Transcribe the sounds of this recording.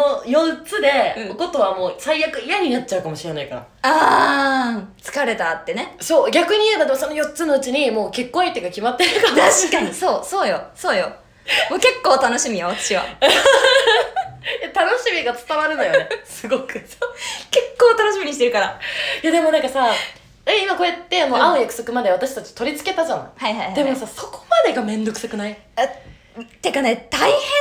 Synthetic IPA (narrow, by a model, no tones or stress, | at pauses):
ojo̞t͡sɨd̪e̞ɯ̟̃ko̞t̪o̞βamo̞ːsaijakɯ̟ijaɲ̟inat̚t͡ɕaɯ̟kamo̞ɕiɾe̞naikaɾa̰ | aː | t͡sɨ̥kaɾe̞t̪at̪ːe̞ne̞so̞ːɡʲakɯ̟ɲ̟iad̪at̪ːemosonojo̞t͡sɨno̞ɯ̟t͡ɕiɲ̟imo̞ːke̞kːõit̪ːekakʲimat̪ːeɾɯkaaɕi̥kaɲiso̞ːso̞ːjo̞soːjo̞ | moːke̞kːo̞ːt̪ano̞ɕimʲijoat̪ḁɕiβa̰ | jat̪ano̞ɕimʲiɡat͡sɨ̥t̪aβaɾɯ̟nd̪ajonesɨɡo̞kɯ̟soːke̞kːoːt̪ano̞ɕimiɲ̟iɕ̬it̪eɾɯ̟kaɾajad̪e̞mo̞nãŋkasa | eimako̞et̪ːe̞anoãõjakɯ̟̥so̞kɯ̟mad̪e̞βat̪aɕi̥t̪at͡ɕi̥t̪o̞ɾʲit͡sɨ̥ke̞t̪azanhaihajhd̪e̞mo̞saso̞̥ko̥mad̪e̞ɡamẽ̞nd̪o̞kɯ̟sakɯ̟nai | t̪ːekanet̪aihẽ